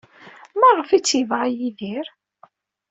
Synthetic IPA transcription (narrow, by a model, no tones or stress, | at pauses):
mæʁəfit͡sːivʁajiðiɾ